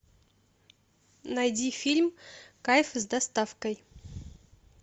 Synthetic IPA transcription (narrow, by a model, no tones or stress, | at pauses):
najd̪ʲifʲilʲmkajfɨzd̪ast̪ɑfkəj